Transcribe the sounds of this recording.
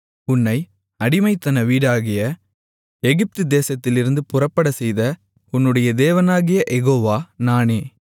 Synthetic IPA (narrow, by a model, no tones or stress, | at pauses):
ʊnːɐɪ | ɐɽɪmɐɪt̪ːɐnɐʋiːɽaːɣɪjɐ | ɛɣɪp̚t̪ɯd̪eːsɐt̪ːɪlɪɾɯnd̪ɯpʊrɐpːɐɽɐsɛjðɐ | ʊnːɯɽɐjɐd̪eːʋɐnaːɣɪjɐʔɛɣoːʋaːnaːneː